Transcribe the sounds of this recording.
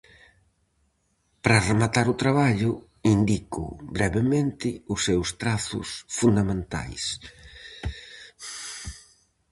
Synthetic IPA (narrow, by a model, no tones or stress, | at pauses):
pɾaremat̪aɾʊt̪ɾaβaʎʊ | ind̪ikʊ̰bɾɛβemẽnt̪ɪʊsːewst̪ɾaθʊ̰sfund̪amẽnt̪a̰js